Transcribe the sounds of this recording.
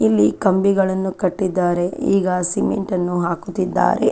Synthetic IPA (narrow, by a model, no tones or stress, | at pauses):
ilːikɐmbiɡɐɭɐnːukɐʈːid̪ːaːɾe̞iːɡɐsimḛɳʈɐnːuɦaːkut̪ːid̪ːa̰ːɾḛ